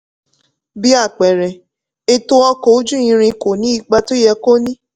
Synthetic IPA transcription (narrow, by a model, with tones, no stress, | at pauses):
bi˦a˦˨k͡pɛ˨ɾɛ˨ | e˧to˧ɔ˧ko˨o˦d͡ʒũ˦ĩ˧ɾ̃ĩ˧ko˨nĩ˨˦i˦˧˨k͡pa˧to˦jɛ˧ko˦nĩ˦